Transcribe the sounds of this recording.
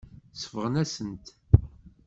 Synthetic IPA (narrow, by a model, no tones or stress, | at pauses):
səfəʁnæsənt̪